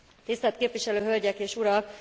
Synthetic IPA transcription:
t̪ist̪ɛlt̪̚keːpʋiʃɛløːɦølɟɛkeːʃuɾɒk

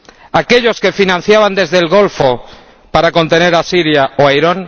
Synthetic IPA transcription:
ake̞ʎo̞ske̞finãn̟θjaβ̞and̪e̞zðelɣo̞lfo | paɾako̞nt̪e̞ne̞ɾasiɾjaoajɾon

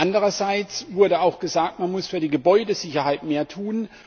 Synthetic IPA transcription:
ʔandəʁɐzaɪt͡svʊɐɾəaʊxɡ̥əzaːk̚tmanmʊsfyːɐdiːɡəbɔʏdəzɪçɐhaɪtmeːɐtʰuːn

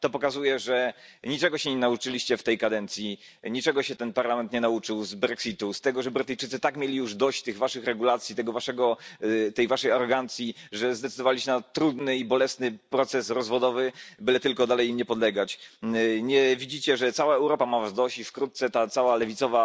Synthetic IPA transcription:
t̪ɔpɔkazujɛʐɛɲit͡ʂɛɡɔɕɛɲɛnaut͡ʂɘlʲiɕt͡ɕɛft̪ɛjkad̪ɛnt̪sʲji | ɲit͡ʂɛɡɔɕɛt̪ɛnpaɾlamɛnt̪ɲɛnaut͡ʂɘwzbɾɛksʲit̪ust̪ɛɡɔʐɛbɾɘt̪ɘjt͡ʂɘt̪sɘt̪akmʲjelʲijuʐd̪ɔɕt͡ɕt̪ɘɣvaʂɘxɾɛɡulat̪sʲjit̪ɛɡɔvaʂɛɡɔt̪ɛjvaʂɛjaɾɔɡant̪sʲjiʐɛzd̪ɛt̪sɘd̪ɔvalʲiɕt͡ɕɛnat̪ɾud̪nɘibɔlɛsnɘpɾɔt̪sɛsɾɔzvɔd̪ɔvɘbɘlɛt̪ɘlkɔd̪alɛjimɲɛpɔd̪lɛɡat͡ɕ | ɲɛvʲid͡ʑit͡ɕɛʐɛt̪sawaɛwɾɔpamavazd̪ɔɕt͡ɕifkɾut̪̚t̪sɛt̪at̪sawalɛvʲit̪sɔva

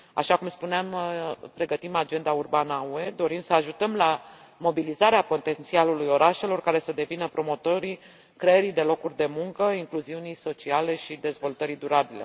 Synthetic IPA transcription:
a̰ʃakumspuneampɾe̞ɡət̪imad͡ʒe̞nd̪aurbanəue̞d̪o̞ɾimsəaʒut̪əmla | mo̞bilizaɾeapo̞t̪e̞nt̪sialulujo̞ɾaʃe̞lo̞rkaɾe̞səd̪e̞vinəpɾo̞mo̞t̪o̞ɾi | kɾeeɾijd̪e̞lo̞kurʲd̪e̞muŋkəiŋkluziunijso̞t͡ʃiale̞ʃid̪e̞zvo̞lt̪əɾid̪uɾabile̞̰

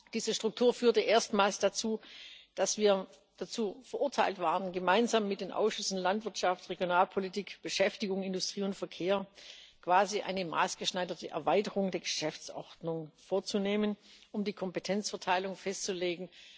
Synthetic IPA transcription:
d̥iːzəʃtʁ̥ʊk̚tʰuːɐfyːɐtəʔeːɐstmaːlsd̥at͡suːd̥asv̥iːɐ | d̥at͡suːfɛɐʔʊɐtʰaɪltv̥aːʁənɡəmaɪnzamːɪt̚d̥eːnʔa̰ʊsʃʏsn̩lantv̥ɪɐtʃaftʁeɡjonaːlpʰolitʰiːkb̥əʃɛftɪɡʊŋɪndʊstʁ̥iːʊntfɛɐkʰeːɐkv̥aːziʔa̰ɪnəma̰ːsɡ̥əʃnaɪdɐtʰəʔɛ̰ɐvaɪtəʁʊŋdeːɐɡəʃɛft͡sʔɔʁdnʊŋfoːɐt͡suneːmənʔʊmdiːkʰɔmpetʰɛnt͡sfɛɐtʰaɪlʊŋfɛstt͡suleːɡŋ̩

